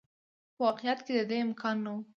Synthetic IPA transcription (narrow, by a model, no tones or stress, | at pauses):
pəwɑqejat̪ked̪əd̪eɪmkʰɑnːawu